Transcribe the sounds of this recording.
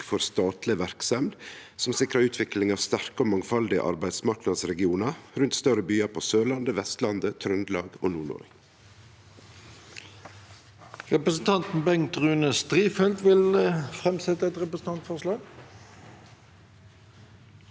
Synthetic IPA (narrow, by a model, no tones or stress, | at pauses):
fɔɾst̪ɑːt̪lɪʋæɾksɑmd̪sɔmsɪkɾəʉːt̪ʰʋɪklɪŋɑːʋst̪æɾkoːmɑŋfɑld̪ɪə̰ʔɑ̰ɾbæɪd̪smɑɾknɑɾsɾɛɡɪuːnəɾʉnt̪st̪œrəbyːɑpʰoːsøːlɑnd̪əʋɛst̪lɑnd̪ət̪ʰɾœnd̪lɑːɡo̰ːnuːɳɔ̰ɾɡ | ʁɛpɾəsn̩t̪ʰɑnt̪n̩bɛŋt̪ʁʉːnəst̪ɾiːfɛld̪ʋɪlfʁɛmsɛt̪ːəɛt̪ɾɛpɾəsn̩t̪ɑnt̪fɔʂlɑːɡ